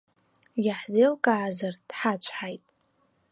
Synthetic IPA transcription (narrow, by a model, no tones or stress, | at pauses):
jaħzelkʼaʕzard̥ħat͡ɕʷʰħajtʼ